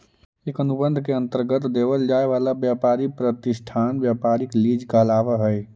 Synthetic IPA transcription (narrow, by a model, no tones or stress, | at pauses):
eːkənubə̃nd̪ʱkeə̃nt̪əɾɡət̪d̪eʋəld͡ʒaːeʋaːlabjapaːɾipɾət̪ɪsʈʰaːnbjapaːɾikliːd͡ʒkəlaːʋaɦɛj